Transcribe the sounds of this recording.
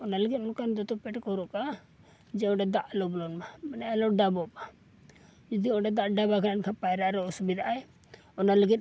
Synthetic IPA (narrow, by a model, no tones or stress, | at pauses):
ɔnaləɡit̪̚ˀlɔkand̪ɔt̪ɔpɛʈkɔɾɔʔka | d͡ʒɛɔ̃ɖɛd̪aʔlɔblɔnmamanaalɔɖabɔba | d͡ʒɔd̪iɔɖɛd̪aʔɖabakʰanankʰapajɾaʔɾɛɔsubid̪aʔaj | ɔnaləɡit̪̚ˀ